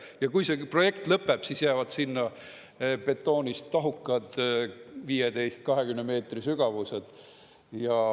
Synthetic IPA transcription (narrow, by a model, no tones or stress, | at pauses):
jɑkujsepro̞je̞kt̪lɤpːeb̥sisjæːvɑd̪̥sinːɑ | pe̞t̪ːˑo̞ːnʲist̪ːɑɦukːˑɑd̪̥ | viːjed̪e̞jst̪kɑɦekymneme̞ːt̪risyɡ̥ɑvused̪̥ | jɑ